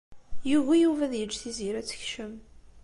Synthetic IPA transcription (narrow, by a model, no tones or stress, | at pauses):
juʝæjuvæðjəd͡ʒːθiziɾæt͡sːə̥çʃəm